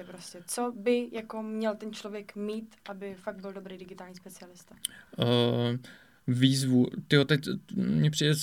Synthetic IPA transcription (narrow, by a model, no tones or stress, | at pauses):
ɛpɾoscɛt͡sobɪjakomɲɛlt̪ɛnt͡ʃlo̞vjɛkmiːt̪ʔabɪfaɡ̚t̪bɪldobɾejdɪɡɪt̪aːlɲiːspɛt͡sɪalɪst̪ḁ | viːzvut̪ɪjot̪ɛcmɲɛpr̝̥idɛ